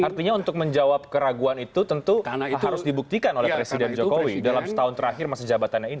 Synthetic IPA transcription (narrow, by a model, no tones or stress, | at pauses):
art̪iɲaunt̪ʊk̚məɲd͡ʒawap̚kəɾaɡuanit̪ut̪əntt̪unɦaɾʊsdibuk̚t̪ikanolɛhppɾesidɛnd͡ʒokowidalamsə̥t̪aʊnt̪əɾaɦɪrmasad͡ʒabat̪anɲaini